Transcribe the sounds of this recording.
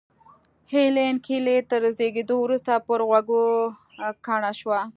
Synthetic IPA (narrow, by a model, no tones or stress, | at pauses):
helenkʰilet̪əɾəzeɡed̪owɾust̪apəɾɣwaɡo | kaɳaʃwa